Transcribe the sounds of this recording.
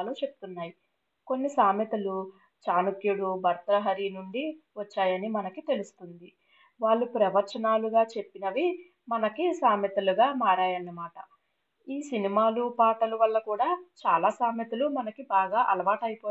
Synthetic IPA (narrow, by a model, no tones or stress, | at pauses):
lut͡ʃe̞pu̥t̪unːaːji | ko̞nːisaːmjɐt̪ɐlu | t͡ʃaːnukjuɽubʱɐɾt̪ɾɐɦɐɾinuɳɖiʋɐt͡ʃːaːjɐnimɐnɐkit̪e̞lusu̥t̪und̪i | ʋaːɭːupɾɐʋɐɾt͡ʃɐnaːluɡaːt͡ʃe̞pːinɐʋi | mɐnɐkisaːmjɐt̪ɐluɡaːmaːɾaːjɐnːɐmaːʈɐ | iːsinimaːlupaːʈɐluʋɐlːɐkuːɽaːt͡ʃaːlaːsaːmjɐt̪ulumɐnɐkibaːɡaːʔɐlɐʋaːʈɐjipɔː